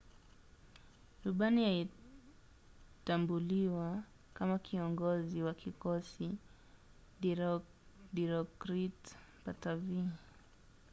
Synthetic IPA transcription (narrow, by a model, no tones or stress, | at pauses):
ɾuɓanihai | tambuliwa | kamakʰiɔŋɡɔziwakʰikɔsi | diɾɔkɾit | patavi